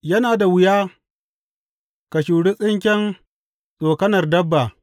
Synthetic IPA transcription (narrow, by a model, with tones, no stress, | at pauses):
jɐ˦naː˨da˨wɪ˨jaː˦ | kɐ˨ʃuː˨ɽi˦sʼɪ˦ŋkʲɛ˦n | sʼoː˨kɐ˦nɐ˨rdɐ˦bːa˨